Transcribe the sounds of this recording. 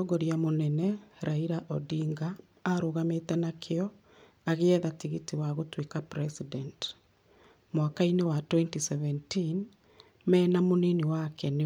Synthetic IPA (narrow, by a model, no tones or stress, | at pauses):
ɔɡɔɾjamonɛnɛɾaiɾaʔɔdiŋɡaː | ɾoɣametɛnakʰeɔ | aɣeɛðatiɣitiwaɣotwekapɾɛsidɛnt | mwakainewatwɛntisɛvɛntin | mɛːnamoneniwakɛne